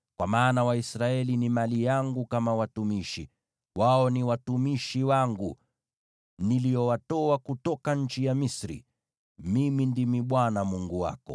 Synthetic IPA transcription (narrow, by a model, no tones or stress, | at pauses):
kwamaːnawaisɾaɛlinimalijaŋɡukamawatumiʃḭ | waɔniwatumiʃiwaŋɡu | nilijɔwatɔakutɔkaɲ̩t͡ʃijamisɾḭ | mimindimiɓwanamuŋɡuwa̰kɔ̰